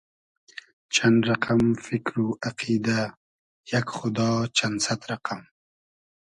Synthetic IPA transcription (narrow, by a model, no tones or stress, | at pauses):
t͡ʃʰanɾaqʰamfɪkɾuʔaqʰid̪a | jakxʊd̪ɑt͡ʃʰansat̪ɾaqam